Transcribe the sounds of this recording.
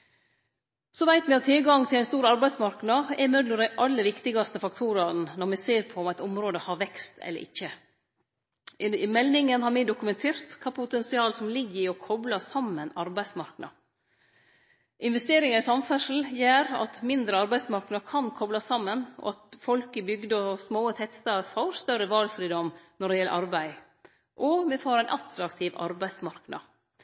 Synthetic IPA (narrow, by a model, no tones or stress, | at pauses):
sɔʋæɪt̪mɛɑt̪ʰːɪlɡɑŋt̪ʰɪlæɪnst̪uːɾɑɾbæɪsmɑɾknɑɛmœd̪ləɾæʔɑlːəʋɪkt̪ɪɡɑst̪əfɑk̚t̪ʰuːɾɑɾnnɔɾmɛseːɾpʰɔɔmæɪt̪ɔmɾoːd̪əhɑɾʋɛkst̪ʰɛ̰lːə̰ɾɪ̰çːə | mɛlnɪŋənhɑɾmɪːd̪ʊkʉmɛnt̪ʰeːɾt̪kʰɑːpʰʊt̪ɛnsɪɑːlsɔmlɪɡːəɪɔkʰɔblɑsɑmːənɑɾbæɪsmɑɾknɑ̰ | ʔɪnʋɛst̪eːɾɪŋɑɪsɑmfœʂl̩jæːɾɑ̰t̪mɪnd̪ɾəɑɾbæɪ̥smɑɾknɑkʰɑnkʰɔblɑsɑmːənɔ̰ɑt̪fɔlkəbʏɡd̪əɔsmoːət̪ʰɛt̪st̪ɑfoːɾst̪œɾəʋɑlfɾiːd̪ɔmnɔɖɛjɛlːə̰ʔɑɾbæɪ | ʔɔmɛfoːɾæɪnʔɑt̪ɾɑkt̪ʰɪʋɑ̰ɾbæɪd̪smɑɾknɑ̰